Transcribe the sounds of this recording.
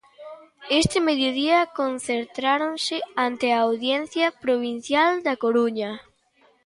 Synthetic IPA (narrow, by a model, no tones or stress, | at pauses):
est̪ɪmeðjoðiɐkonθeɾt̪ɾaɾonsɪant̪ɪaːwðjen̟θjɐpɾoβin̟θjald̪ɐkoɾuɲɐ